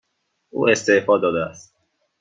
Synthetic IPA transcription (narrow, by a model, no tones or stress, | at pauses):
ʔṵːe̞st̪eʔfɒːd̪ɒːd̪eæst̪̚